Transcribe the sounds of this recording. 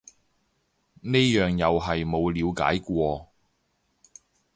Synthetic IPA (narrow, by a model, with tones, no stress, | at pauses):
neː˥jœː˨ŋjɐ˨wɦɐ˨jmo˨˧wliː˨˧wka̰ː˨˥jkʷɔː˧